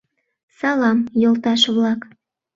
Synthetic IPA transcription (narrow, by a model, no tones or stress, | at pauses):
sɑlɑmjolˠt̪ɑʃβlɑk